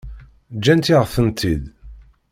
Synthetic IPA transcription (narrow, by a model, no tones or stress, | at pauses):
d͡ʒːænt̪iʁəfənt̪id̪